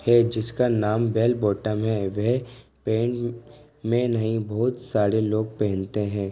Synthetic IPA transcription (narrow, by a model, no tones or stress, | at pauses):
hɛd͡ʒɪskanaːmbɛːlbɔːʈəmɦɛʋɛɦpẽːɳʈ | mẽnɐɦĩbɔɦʊt̪saːɾeloːɡ̚pɛɦɛ̃nt̪eɦɛ̃ː